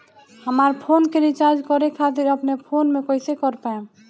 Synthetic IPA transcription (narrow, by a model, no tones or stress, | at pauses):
həmaɾpʰonkeɾit͡ʃaɾd͡ʒkəɾekʰat̪iɾəpnepʰonmekəɪsekəɾpaẽ